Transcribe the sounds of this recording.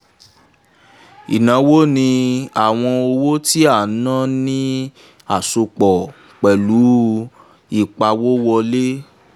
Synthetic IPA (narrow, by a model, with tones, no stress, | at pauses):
ḭ˨nã˨˧˦wo˦nĩ˧a˦˨w̃ɔ̃˧o˧wo˦ti˦a˦˨˦nã˦nĩ˦ | a˦˨so˧k͡pɔ˨ | k͡pɛ˨lu˨˦ | i˦˨k͡pa˧wo˦wɔ˧le˦